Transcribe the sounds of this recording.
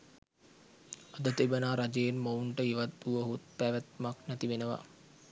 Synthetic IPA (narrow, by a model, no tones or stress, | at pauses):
ad̪ət̪ibənaːɾad͡ʒejenmouɳʈəiʋat̪ːuʋəɦut̪̚pæʋæt̪̚maknæt̪iʋenəʋa̰